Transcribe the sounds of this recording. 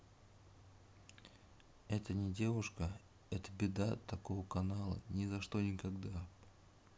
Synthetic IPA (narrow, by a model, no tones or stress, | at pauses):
ɛt̪ənʲɪdʲe̞vʊʂkə | ɛt̪əbʲɪd̪at̪ɐko̞vəkɐnalˠə̰nʲɪzɐʂt̪o̞nʲɪkɐɡd̪a